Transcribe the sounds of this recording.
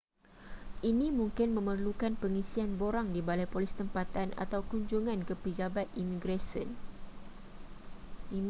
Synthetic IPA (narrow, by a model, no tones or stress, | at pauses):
ʔinĩmũŋkɪnmə̃mərlukanpəŋĩsianboɾaŋdibalajpolist̪əmpat̪anʔa̰t̪awkuɲd͡ʒuŋãnkəpəd͡ʒabat̪̚imĩɡɾasə̰n | i